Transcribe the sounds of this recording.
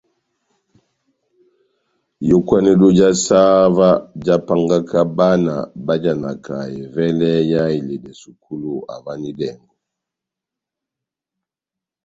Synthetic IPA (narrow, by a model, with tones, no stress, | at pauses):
jɔ˦kwa˦nɛ˦dɔ˦d͡ʒa˦sa˦va˦d͡ʒa˦pa˦ŋɡa˦kʰa˦ba˦na̰˨ba˦d͡ʒa˨na˨kʰa˨jɛ˨vɛ˦lɛ˦ja˦i˨lɛ˨dɛ˨su˨kʰu˦lu˦a̰˨va˦ni˦dɛ˨ŋɡɔ˨